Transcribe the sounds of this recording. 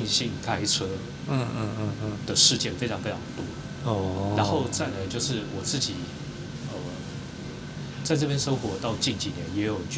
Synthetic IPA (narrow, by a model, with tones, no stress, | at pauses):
ŋɕi˥˩nkʰa˥ɪʈ͡ʂʰɤ˥˧˥ | d̪̥ə˨ʂɻ̩˥˧t͡ɕjɛ˥˩nfe˥ɪʈ͡ʂʰɑ˧ŋfe˥ɪʈ͡ʂʰɑ˧˥ŋ˧t̪wɔ˥ | ɻa˧˥nxo˥˧ʊt͡sa˥˩nla˨˥ɪt͡ɕjo˥˧ʊʂɻ̩˥˩wɔ˨˩t͡sɹ̩˥˩t͡ɕi˨˩˦ | ə˧ | t͡sa˥˧ɪʈ͡ʂɤ˥˩p̬jɛ˥nʂɤ˥ʊxwɔ˧˥t̪ɑ˥˧ʊt͡ɕi˥˩nt͡ɕi˨˩njɛ˧˥njɛ˨˧˥jo˨˩ʊt͡ɕ